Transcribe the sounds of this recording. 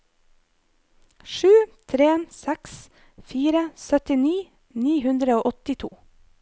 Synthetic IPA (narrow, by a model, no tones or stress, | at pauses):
ʃʉːt̪ʰɾeːnsɛks | fiːɾəsœt̪ɪniː | niːhʉnd̪ɾəoːʔɔt̪ɪt̪ʰṵː